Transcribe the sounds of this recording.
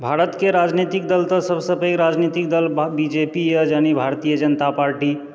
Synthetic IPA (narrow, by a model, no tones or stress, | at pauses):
bʱaɾət̪keɾad͡ʒnit̪ik̚d̪əlt̪əsəbsəbəjɾad͡ʒnit̪ik̚d̪əlbid͡ʒepijəd͡ʒanibʱaɾt̪ijəd͡ʒənət̪apaɾʈi